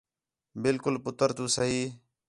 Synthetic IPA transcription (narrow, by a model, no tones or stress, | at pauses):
bɪlkʊlpʊt̪əɾt̪uːsəɦiː